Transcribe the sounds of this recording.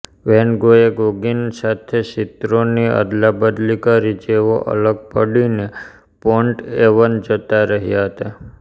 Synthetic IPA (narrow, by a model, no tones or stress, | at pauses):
ʋɛnɡoeɡoɡinsat̪ʰeʃɪt̪ɾoniə̰d̪labəd̪likaɾid͡ʒeʋoʔə̰ləɡ̚pəɽine | pɔɳʈeʋənd͡ʒət̪aɾəɦjaɦət̪a